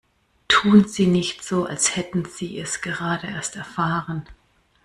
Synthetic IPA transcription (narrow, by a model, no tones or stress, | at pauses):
tʰuːnziːnɪçtz̥oːa̰lshɛtn̩z̥iːɛsɡ̥əʁaːdəʔeːɐstɛɐfaːʁən